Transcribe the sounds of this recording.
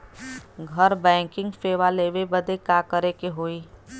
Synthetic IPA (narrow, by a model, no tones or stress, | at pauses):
ɡʱəɾbɛ̃ːŋkɪ̃ŋɡfeːʋaleːʋebəd̪ekakəɾekeɦoːiː